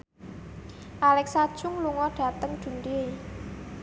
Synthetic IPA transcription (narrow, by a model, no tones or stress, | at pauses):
ʔalɛksad̥ʒ̥ʊŋluŋɔɖ̥ä̤t̪əŋd̪̥ṳnd̪ie